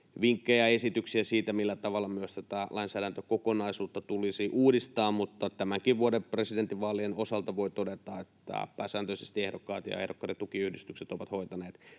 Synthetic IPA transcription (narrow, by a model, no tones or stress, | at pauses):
ʋiŋkːejɑesit̪yksiæsiːt̪æmilːæt̪ɑʋɑlːɑmyøst̪æt̪ælʔɑinsæːɾænt̪økokonɑisuːt̪ːɑt̪ulisiʔuːdist̪ɑːmmut̪ːɑt̪æmæŋkiʋʋuodepresident̪ːiʋʋɑːlienosɑlt̪ɑʋoit̪odet̪ɑet̪ːæ̰pæːsæːnt̪øisest̪iehdokːɑ̰ːt̪jɑ̰ehdokːɑːret̪ːukiyhdist̪ykset̪oʋɑt̪hoit̪ɑneːt̪